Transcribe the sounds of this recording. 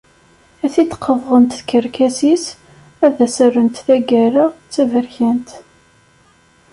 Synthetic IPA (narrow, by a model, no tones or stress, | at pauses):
æθit̪ːqʰːəvʁənt̪θkəɾkæsis | æðæsərːənt̪θæɡæɾəʁt͡sːævəɾçænt̪